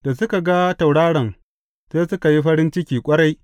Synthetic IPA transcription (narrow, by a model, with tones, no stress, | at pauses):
d̥a˨sʊ˦ka˨ɡa˦ta˨wɽaː˦ɽɐ˨ŋ | seː˦sʊ˦ka˨ji˦ɸɐ˦ɾɪ˦nt͡ʃɪ˦kʲiː˨kʷʼɐ˦ɾa˦j